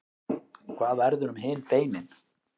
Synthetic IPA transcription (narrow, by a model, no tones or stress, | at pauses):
kʰvaːðaɾðʏɾʏmɦɪːnp̪ejmɪn